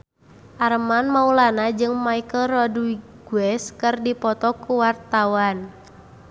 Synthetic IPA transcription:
ʔarmanmaulanad͡ʒɨŋmaikəlrɔdwiɡ̥uɛskɨrdipɔt̪ɔkuwart̪awan

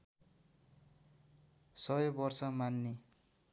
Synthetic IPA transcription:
sʌjobʌrsʌmanːe

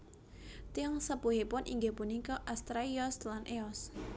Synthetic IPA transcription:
t̪iɔŋsəpuɦepʊnʔḭŋɡepunikɔʔast̪ɾaiɔslanʔeɔs

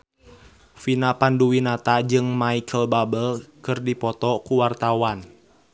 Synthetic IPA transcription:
finapanduwinat̪ad͡ʒɨŋmaikʰəlbabəlkɨrdipɔt̪ɔkuwart̪awan

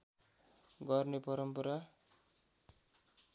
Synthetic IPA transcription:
ɡʌrnepʌɾʌmpʌɾa

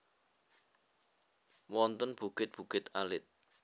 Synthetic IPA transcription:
wɔnt̪ənb̥uɡ̥ɪt̪̚b̥ṳɡ̥ɪt̪alɪt̪̚

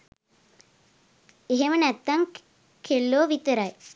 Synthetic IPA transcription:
eɦemənɛt̪ːaŋ | kʰelːoːʋit̪əɾaj

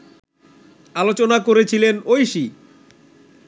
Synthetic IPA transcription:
alot͡ɕonakoɾet͡ɕʰilenojʃi

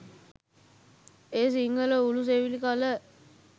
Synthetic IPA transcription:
eːs̬iŋɡələulus̬eʋilikalə

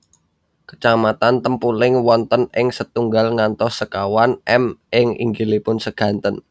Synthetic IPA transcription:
kə̥t͡ʃamat̪ant̪əmpulɪŋwɔnt̪ənɪŋsət̪uŋɡalŋant̪ɔssəkawanʔɛmʔɪŋḭŋɡilipʊnsəɡ̥ä̤nt̪ən

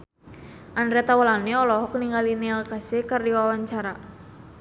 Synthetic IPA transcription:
ʔanɾɛt̪awəlaneɔlɔɦɔkniŋɡalinealkasekardiwawaɲt͡ʃaɾa

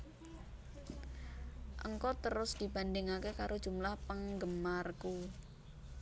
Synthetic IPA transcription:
ʔə̰ŋkɔt̪əɾʊsd̥i̤ba̤ndɪŋakekaɾod̥ʒ̥ṳmlahpəŋɡəmarku

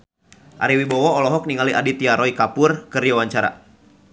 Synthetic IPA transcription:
ʔa̰ɾiwibɔwɔɔlɔɦɔk̚niŋaliʔa̰dit̪iaɾɔikapʊrkɨriawaɲt͡ʃaɾa̰

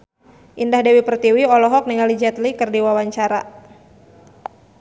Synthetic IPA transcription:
ʔindahdɛwipərt̪iwiɔlɔɦɔk̚niŋalid͡ʒɛt̪likɨrdiwawaɲt͡ʃaɾa̰

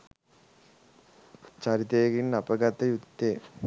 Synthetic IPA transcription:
t͡ɕɐɾit̪eːɡinnɐpɐɡɐt̪ɐjut̪ːeː

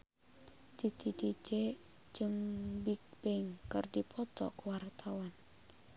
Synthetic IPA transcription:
t̪it̪itit͡ʃe | d͡ʒɨŋbik̚b̥ɛŋkɨrdipʰɔt̪ɔ̰kuwart̪ʰawan

